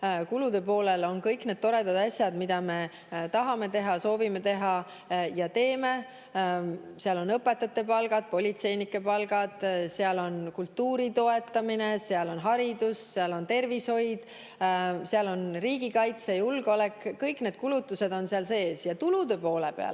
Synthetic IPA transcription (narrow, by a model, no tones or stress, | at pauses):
kulud̪̥e̞po̞ːle̞lo̞nkɤjkned̪̥̚t̪oɾe̞d̪ɑd̪ɑsjɑd̪mid̪̥ɑme̞ | t̪ɑɦɑme̞t̪e̞ɦɑso̞ːvime̞t̪e̞ɦɑ | jɑt̪e̞ːme̞ | seɑlo̞nɤpːˑe̞t̪ːˑɑt̪ːˑe̞pɑlɡ̥ɑd̪̥̚po̞lʲit̪se̞jnikːˑe̞pɑlɡ̥ɑd̪̥seɑlo̞nkult̪ːˑuːɾit̪o̞e̞t̪ːɑmine̞seɑlo̞nɦɑɾid̪usːeɑlo̞nt̪e̞rvisho̞jd̪̥ | seɑlo̞nriːɡ̥ikɑjt̪sejulɡole̞kːɤjkne̞ːd̪̥kulut̪ːˑuse̞d̪̥o̞nseɑlse̞ːsjɑt̪ulud̪̥e̞po̞ːlepḛɑ̰l